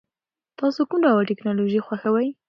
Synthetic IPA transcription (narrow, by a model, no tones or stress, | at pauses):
t̪ɑsokumɾawaʈɪknɑloʒixwaxawaj